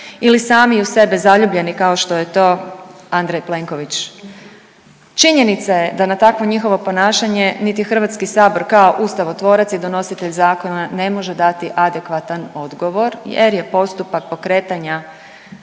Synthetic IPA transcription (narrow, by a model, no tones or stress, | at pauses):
ilisaːmiuse̞bezaʎuːbʎe̞nikao̞ʃt̪o̞jet̪o̞ːand̪ɾejple̞ŋko̞ʋit͡ʃ | t͡ʃiɲe̞nit̪saje̞d̪anat̪akʋo̞ɲixo̞ʋo̞po̞naːʃaɲe̞nit̪ixr̩ʋat̪skisaːbo̞ɾkao̞ʔust̪aʋo̞t̪ʋo̞ːɾat̪sid̪o̞no̞sit̪e̞ʎzaːko̞nane̞mo̞ʒed̪at̪iʔad̪e̞kʋat̪ano̞d̪ɡo̞ʋo̞ɾjḛɾje̞po̞st̪upak̚po̞kɾe̞ːt̪aɲa